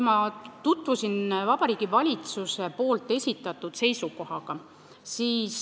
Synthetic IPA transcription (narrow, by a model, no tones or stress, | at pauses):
mɑt̪ut̪ːˑvusinvɑbɑɾiːɡ̥ivɑlʲit̪suse̞po̞ːlt̪ːˑe̞sʲit̪ːˑɑt̪ˑːud̪̥se̞jsuko̞ɦɑɡ̥ɑ | siːs